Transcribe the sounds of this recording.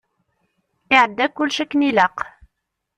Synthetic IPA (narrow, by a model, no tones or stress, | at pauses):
ʔɪʕad̪ːækʊlːʃakːnilɑq